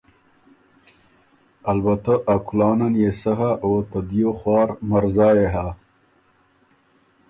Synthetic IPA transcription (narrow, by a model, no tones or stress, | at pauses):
albat̪aʔakʊlɑːnanjesaɦaʔot̪ad̪joxwɑːɾmaɾzɑːjeɦa